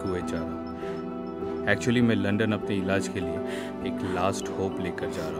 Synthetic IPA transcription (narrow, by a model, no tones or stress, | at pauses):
ɦued͡ʒaːɾ | ɛːk̚t͡ʃuəlimɛ̃lɐ̃ɳɖənɐpneɪlaːd͡ʒkelieː | klaːsʈhoːpleːkəɾd͡ʒaːɾaɦ